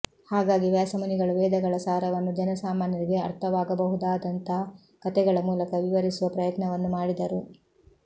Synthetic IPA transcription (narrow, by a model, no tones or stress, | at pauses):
haːɡaːɡiʋjaːsɐmɐniɡɐɭuʋɛːd̪ɐɡɐɭɐsaːɾɐʋɐnːud͡ʒɐnɐsaːmaːnjɐɾiɡe̞ɐ̰ɾt̪ʰɐʋaːɡɐbɐɦud̪aːd̪ɐnt̪ɐɦɐ | kɐt̪ɛɡɐɭɐmuːlɐkɐʋiʋɐɾisuʋɐpɾɐjɐt̪nɐʋɐnːumaːɽid̪ɐɾu